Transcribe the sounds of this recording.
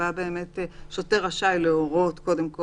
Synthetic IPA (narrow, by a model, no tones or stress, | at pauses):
abe̞ːme̞t̪ʃoteʁaʃajleoʁo̞tko̞d̪e̞mko